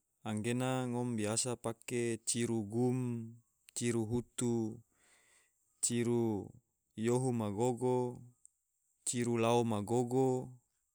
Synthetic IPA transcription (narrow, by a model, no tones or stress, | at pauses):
aŋɡenaŋombiasapaket͡ʃiɾuɡum | t͡ʃiɾuɦut̪u | t͡ʃiɾu | joɦumaɡoɡo | t͡ʃiɾulaomaɡoɡo